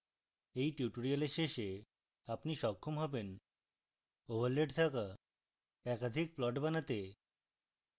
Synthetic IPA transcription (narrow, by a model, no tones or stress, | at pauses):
ejʈjuʈoɾialeʃeʃe | apniʃɔkʰːomɦɔben | obʱaɾleɖt̪ʰaka | ɛkad̪ʱik̚plɔʈbanat̪e